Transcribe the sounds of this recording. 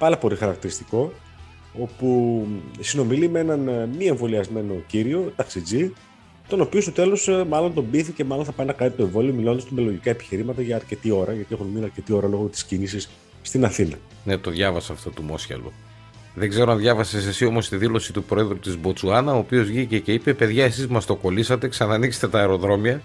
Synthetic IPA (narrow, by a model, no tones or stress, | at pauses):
pɐlɐpo̞lixɐɾɐk̚t̪iɾist̪iko̞ | o̞pusino̞milimee̞nɐnmie̞ɱvo̞liɐzme̞no̞ciɾio̞t̪ɐksid͡zi | t̪o̞no̞pio̞st̪o̞t̪e̞losmɐlo̞nt̪o̞mbiθicemɐlo̞nθɐpɐinɐkɐnit̪o̞e̞ɱvo̞lio̞milo̞nd̪st̪umeloʝikɐe̞pi̥çiɾimɐt̪ɐʝɐːɾce̞t̪io̞ɾɐʝɐt̪ie̞xunminɐɾce̞t̪io̞ɾɐlo̞ɣot̪i̥scinisis | st̪inɐθinɐ̰ | ne̞t̪o̞ðʝɐvɐsɐːft̪o̞t̪umo̞sçɐ̰lṵ | ðeɡze̞ɾoɐnðʝɐvɐsesesio̞mo̞st̪iðilo̞sit̪upɾo̞e̞ðɾut̪izbo̞t͡suɐnɐoːpio̞zʝicece̞ipepe̞ðʝɐe̞sizmɐst̪o̞ko̞lisɐt̪e̞ksɐnɐːnikse̥st̪et̪ɐeɾo̞ðɾo̞miɐ